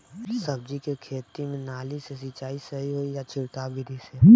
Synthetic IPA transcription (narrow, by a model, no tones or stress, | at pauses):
sɐb̚d͡ʒikekʰeːt̪imẽnaːlisesit͡ʃaːisɐɦiɦoːijat͡ʃʰɪɽkaːbiɾiseː